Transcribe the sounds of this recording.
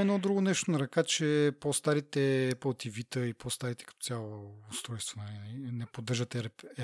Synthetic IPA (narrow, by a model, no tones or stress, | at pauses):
ɛnɔd̪ɾuɡonɛʃt̪onɐɾɐkat͡ʃɛpost̪aɾit̪ɛpolˠt̪ivit̪əipost̪aɾit̪ɛ̥kɐ̥t̪ɔ̥sʲjalˠoːst̪ɾɔjst̪vonɐlinlinɛpod̪ːəɾʒət̪ɛɾpɛ